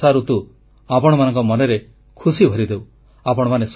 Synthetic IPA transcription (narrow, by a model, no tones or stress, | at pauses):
aɾut̪u | apɔɽ̃ɔmanɔŋkɔmɔneɾe | kʰusibʱɔɾid̪eu | apɔɽɔmanes